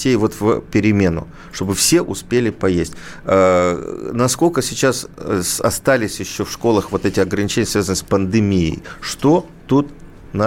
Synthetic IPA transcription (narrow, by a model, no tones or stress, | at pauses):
ejvo̞t̪vʲpʲɪɾʲɪmʲenʊ̰ | ʂt̪o̞bɨfsʲe̞ʔʊspʲelʲɪpɐjesʲtʲ | nɐsko̞lʲkəsʲɪt͡ɕasɐ̰st̪alʲɪsʲjɪɕːo̞fʂko̞lˠəxvo̞t̪ɛtʲɪɐɡɾənʲɪt͡ɕenʲjəsvʲazənəspənd̪ɨmʲijɪ̰jʂt̪o̞ | t̪ut̪ | n